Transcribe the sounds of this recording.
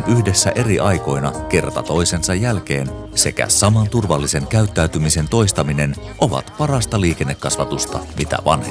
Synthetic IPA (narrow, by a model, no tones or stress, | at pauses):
nʔyhdesːæʔe̞riʔɑjko̞jnɑke̞rt̪ɑ̰t̪o̞jse̞nsɑjːælk̟eːn | se̞̰kæ̰sɑmɑnt̪urʋɑlːise̞ŋkæyt̪ːæyt̪ymise̞nt̪o̞ist̪ɑmine̞nʔo̞ʋɑ̰t̪pɑrɑst̪ɑliːke̞nːekːɑsʋɑt̪ust̪ɑ̰mit̪æ̰ʋɑ̰nhe